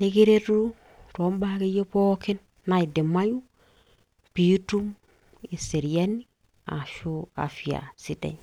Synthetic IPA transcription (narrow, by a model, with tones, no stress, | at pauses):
ne˦ɡi˦ɾe˦ɾɾu˦ | to˨˦mba˦ki˦je˦po˦ki˦nː | a˨i˨di˨ma˦ju˦ | pi˦tu˦m | i˨si˨ɾi˨ja˦ni | a̰˨ʃu˦a̰˨fi˨a̰˨si˨dḛ˨ɲ